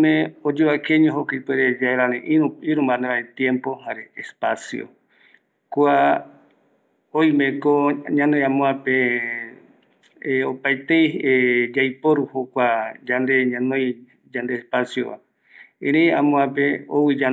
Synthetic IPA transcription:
mẽod͡ʒuakẽɲoɦokip̪eɾed͡ʒaeɾaɾẽʔiuiɾũmband̪eβaet̪jẽmpo̞haɾeːspasjo̰ | kwa | oj̃mẽkoɲãnõj̃ãmõãpe | eopajt̪ejed͡ʒajpoɾuhokʷad͡ʒand̪e̞ɲãnõj̃ | d͡ʒand̪eːspasjo̰βa̰ | ẽɾ̃ẽjãmõãpeo̰wid͡ʒa

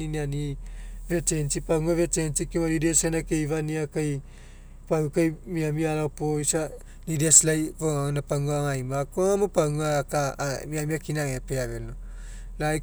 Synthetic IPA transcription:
inianivetensipauŋavetensikimanidesenakejvaniakaj | pawukajmiamiaɾaopoisa | nideslajkoŋanapaŋaŋajmakoŋamopawŋakamiamiakinaŋepeaβelno | la

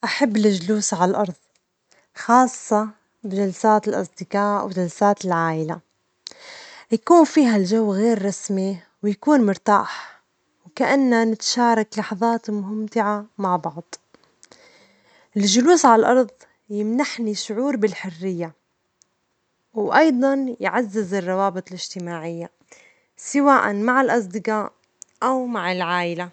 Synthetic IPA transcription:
ʔaħabːɪlɪʒluːsʕallʔɑɾˤðˤ | xɑːsˤːɑ | bɪʒalsaːt̪ɪlʔɑ̰sˤd̪ɪqɑːʔwɪʒalsaːt̪ɪlʕaːʔɪla | jakuːnfiːɦalʒawːɣeːɾːˤɑsmi | wjakuːnmʊɾt̪a̰ːħ | wkaʔanːanɪt̪ḁʃɑːɾˤɑklɑħðˤɑːt̪mʊɦɪmt̪ɪʕamaʕbɑʕd̪̥ˤ | ʔɪlʒʊluːsʕallʔɑɾˤðˤ | jɪmnaħniʃʊʕuːɾbɪlħʊrːɪjːa | wʔɑjd̪ˤɑnjʕazːɪzɪrˤːɑwɑːbɨt̪ˤlɪʒt̪ɪmaːʕɪjːa | sɪwaːʔanmaʕɪlʔɑs̬ˤd̪ɪqɑʔ | ʔawmaʕɪlʕaːʔɪla

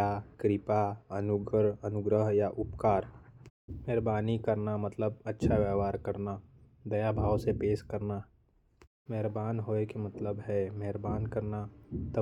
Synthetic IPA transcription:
akɾɪpaənʊɡəɾɐnʊɡɾəɦjaʔʊpkaːɾ | mɦɾbaːnikəɾnamət̪ləbɐtːʃʰaʋjaːʋaːɾkəɾna | d̪ɐjabʱaːʋsepeːʃkəɾna | mɛɦɾbaːnɦoekemət̪ləbɦɛmɛɦɾbaːnkəɾnat̪ə

